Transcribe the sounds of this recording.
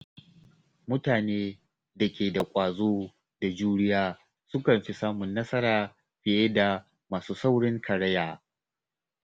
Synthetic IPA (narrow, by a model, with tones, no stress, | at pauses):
mʊ˦taː˨neː˦ | da˨kʲeː˨da˨kʷʼaː˨zoː˦ | da˨d͡ʒuː˦ɽɪ˦jaː˦ | sʊ˦kɐ˨nɸi˦saː˦mʊ˨nːɐ˦sɐ˦ɾaː˨ | ɸɪ˨je˦da˨ | maː˨suː˦sa˦wɽɪ˦ŋkʰɐ˨ɽɐ˦jaː˨